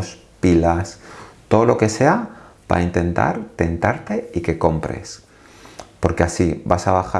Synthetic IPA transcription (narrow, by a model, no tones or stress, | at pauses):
s | pilast̪o̞ð̞olo̞ke̞se̞apa̰int̪e̞nt̪a̰ɾt̪e̞nt̪aɾt̪e̞ike̞ko̞mpɾe̞̰s | po̞ɾkeasiβa̰saβaxa